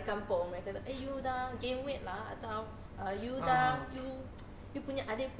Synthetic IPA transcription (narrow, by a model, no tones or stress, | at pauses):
kãmpomãjkat̪aʔejudãŋɡẽmwet̚laa̰t̪aw | ʔəjudãŋju | jupuɲaʔade